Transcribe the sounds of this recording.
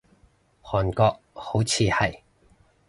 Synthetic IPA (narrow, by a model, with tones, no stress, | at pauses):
hɔː˨˩nkɔː˧k̚ho˨˥wt͡sʰiː˧hɐ˨j